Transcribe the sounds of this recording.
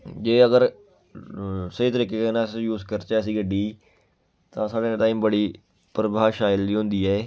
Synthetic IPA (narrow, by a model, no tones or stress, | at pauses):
d͡ʒeːəɡəɾ | səɦiːt̪̬əɾiːkeːkenaːsjuːzkəɾt͡ʃɛːsiːɡəɖiː | t̪ãːsaːɖeːʈaːiːmbəɽiː | pɾəbaːʃaːjɪəlːiːɦʊ̃nd̪iːɛː